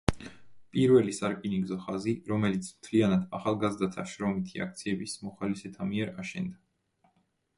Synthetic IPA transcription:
pʼiɾvɛlisaɾkʼiniŋɡzɔχaziɾɔmɛlit̪sʰmt̪ʰlianad̪aχalˠɡazd̪at̪ʰaʃɾɔmit̪ʰia̰kʰt̪sʰiɛbismɔχalisɛt̪ʰamiɛɾaʃɛnd̪a

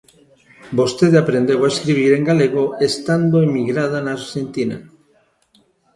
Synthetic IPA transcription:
bost̪eðapɾend̪ewaeskɾiβ̞iɾeŋɡaleɣoest̪and̪oemiɣɾað̞anaːɾʃent̪ina̰

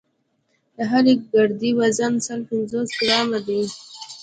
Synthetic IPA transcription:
d̪əɦaliɡaɽd̪iwazansəlpɪnzosɡɾɑmad̪i

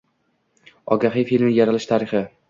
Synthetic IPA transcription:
ɒ̰ɡʲaɦɪfilmɪjaɾalɪʃt̪ʰaɾɪχɪ

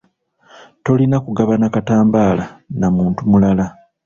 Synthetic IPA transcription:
to̞linakuɡaβanakataːmbaːlanamuːntumulala

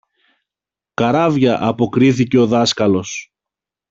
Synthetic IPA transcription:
kɐɾɐvʝɐʔɐpo̞kɾiθice̞o̞ðɐskɐlo̞s

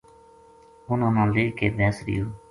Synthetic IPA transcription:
ʊnãːnãːleːkeːd̪ɛ̃ːsɾɪ̰joː

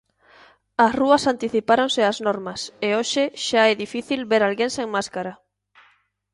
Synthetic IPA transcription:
ɐsruɐsant̪iθipaɾoŋsɪaznoɾmɐseoʃɪʃaɛðifiθilβeɾalɣenseŋmaskaɾɐ

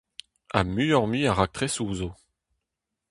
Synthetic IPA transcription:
amyjɔʁmiãʁak̚t̪χɛsuzo

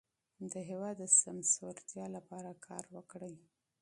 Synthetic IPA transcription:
d̪əɦewɑd̪ːəsamsoɾt̪jɑlapɑɾakʰɑ̰ɾwəkɽəj

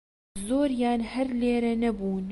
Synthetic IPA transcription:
zoːɾjaːnhɐɾleːɾɐnɐbuːn

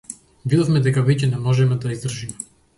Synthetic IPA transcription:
vid̪ɔfmɛd̪ɛkavɛcɛnɛmɔʒɛmɛd̪aizd̪r̩ʒimɛ

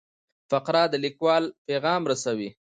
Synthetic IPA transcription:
faqɾɑd̪əlikwɑlpeɣɑmɾasawi

